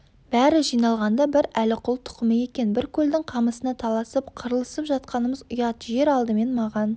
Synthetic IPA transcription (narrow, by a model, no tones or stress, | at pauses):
b̥æɾɪʒijnɑlˠʁɑnd̪ɑbɪɾælɪqʰʊlˠt̪ʰʊ̥qəməje̞kʲe̞nbɪɾkʲʰɵld̪ɪŋqʰɑməsənɑt̪ʰɑlˠɑsəpqʰəɾəlˠəsəpʒɑt̪̚qɑnəməzʊjɑt̪ʒe̞ɾɑlˠd̪əme̞nmɑʁɑn